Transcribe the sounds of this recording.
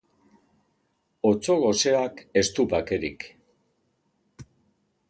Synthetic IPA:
o̞t͡so̞ɣo̞se̞ake̞st̪upake̞ɾḭk

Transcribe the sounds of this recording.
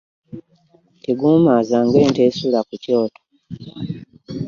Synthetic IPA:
teɡuːmazaːŋɡweːnte̞ːsulakuco̞ːtʰo̥

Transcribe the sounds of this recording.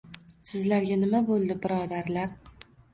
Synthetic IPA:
sɪzlaɾɡʲanɪmabolˠd̪ɪbɪɾɒd̪aɾlaɾ

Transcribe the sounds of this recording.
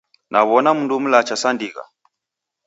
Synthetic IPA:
nʔaβɔnam̩ndum̩lat͡ʃasandiɣa̰

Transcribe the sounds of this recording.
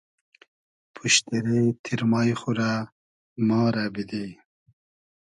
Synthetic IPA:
pʰuʃt̪eɾet̪ʰiɾmɑjxuɾa | mɑːɾabid̪i

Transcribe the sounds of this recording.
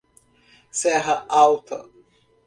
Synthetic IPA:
sɛɦɐʔawt̪ʰɐ

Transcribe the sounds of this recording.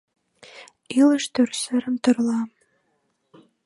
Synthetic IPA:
iləʃt̪ørsɘɾəmt̪ɤ̆rlɑ

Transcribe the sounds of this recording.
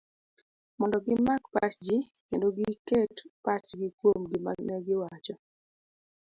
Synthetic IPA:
mɔndɔɡɪmakpat͡ʃd͡ʒɪkendoɡɪketpat͡ʃɡɪkwomɡɪma̰ɡnɛɡɪwat͡ʃɔ

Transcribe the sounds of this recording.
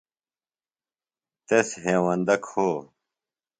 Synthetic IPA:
t̪esɦeːwɐnd̪ɐkhoː

